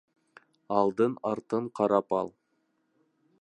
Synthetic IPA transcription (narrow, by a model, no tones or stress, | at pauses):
ɑlˠd̪ənɑɾt̪əɴqʰɑɾɑpɑ̰lˠ